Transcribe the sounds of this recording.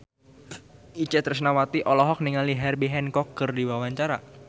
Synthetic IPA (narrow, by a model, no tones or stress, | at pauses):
it͡ʃɛt̪ərsnawat̪iʔɔlɔɦɔk̚niŋaliɦɛrbiɦɛnkɔkːərdiwawaɲt͡ʃaɾa